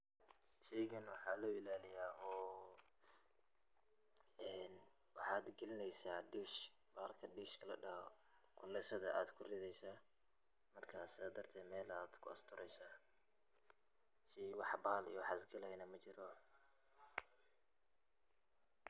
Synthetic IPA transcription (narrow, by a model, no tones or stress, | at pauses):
ʃɛjɣɐnwɑħɑːlɔːɪlaːlɪjaːɔː | ɛn | wɑħɑːd̪ɡɛlɪnɛjsaːɖiːʃ | baːlkʰɐɖiːʃkʰɐlɐ̰ɖɐhɔ | kʰʊlːɛsɐðɐʔaːd̪kʰʊrɪðɛjsaː | mɐrkʰaːsɪðaːd̪ɐrt̪ʰɛːd̪mɛːlaːd̪̥kʰʊɐst̪ʰʊɾʔɛjsaː | ʃɛwɑħbaːlḭjɔwɑħɑːd̪ɡɐlɐjnɐmɐt͡ʃɪɾɔ